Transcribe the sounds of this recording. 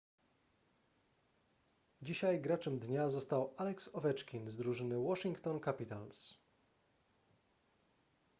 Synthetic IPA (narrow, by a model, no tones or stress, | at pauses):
d͡ʑiɕajɡɾat͡ʂɛmd̪ɲazɔst̪awalɛksɔvɛt͡ʂkʲinzd̪ɾuʐɘnɘwɔʂiŋkt̪ɔnkapʲit̪als